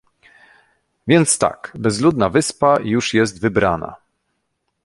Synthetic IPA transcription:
vʲjɛnt̪st̪a̰kbɛzlud̪navɘspajuʂjɛs̬t̪vɘbɾana̰

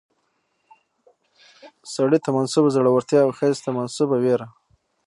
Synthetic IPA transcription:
saɽit̪amansubazaɽawaɾt̪jɑːwxezt̪amansubaweɾa

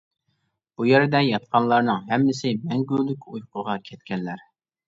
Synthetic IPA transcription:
b̥ujeɾɪd̪ɛjɑt̪̚qʰɑnlˠɑɾnɨŋɦɛmːɪsɪmɛŋɡʲylykʲujqʰʊʁɑkʲʰɛt̪̚kʲɛnlæɾ

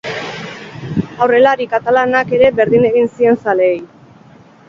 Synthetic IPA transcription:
awre̞laɾikat̪alanake̞ɾe̞be̞ɾðine̞ɣinsie̞nsaleːj

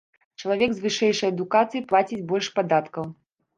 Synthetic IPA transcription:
t͡ʂɐlˠavʲɛɡzvɨʂɛjʂɐjɐd̪ukat̪sɨjiplˠat͡sʲit͡sʲbɔlʲʂpad̪at̪kɐw

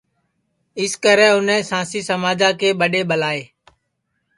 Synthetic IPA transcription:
ɪskəɾɛ̃ːʊnɛ̃ːsãːsiːsəmaːd͡ʒãːkeːɓəɗeːɓəlaːeː

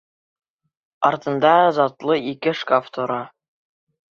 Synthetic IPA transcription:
ɑɾt̪ɤ̆nd̪ɑzɑt̪lˠɤikɘʃkaft̪ʰŏɾɑ

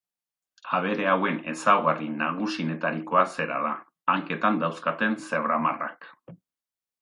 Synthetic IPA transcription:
aβ̞e̞ɾe̞awe̞ne̞̰sawɣarinaɣ̞usinet̪aɾiko̞ase̞ɾa̰ðaː | ŋke̞t̪and̪awskat̪e̞nse̞βɾama̰ra̰k

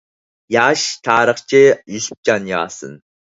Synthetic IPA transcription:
jaːʃtʰaːɾəχt͡ʃʰɪjusp̚d͡ʒanja̰ːsɨ̰n

